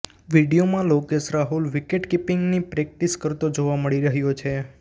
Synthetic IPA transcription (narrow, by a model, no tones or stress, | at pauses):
ʋiɖijomãlokeʃɾaɦulʋikeʈkipɪŋɡnipɾek̚ʈiskəɾt̪od͡ʒoʋaməɭiɾəɦjot͡ʃʰe